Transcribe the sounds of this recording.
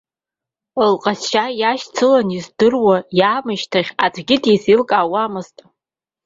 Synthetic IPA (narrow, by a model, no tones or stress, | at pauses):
əlqʼasʃajaʃt͡sʰɨlanizdɨrwajaːmɨʃtʰaχʲat͡sʷʰʼɡʲɪdisilkʼaːwamɨztʼ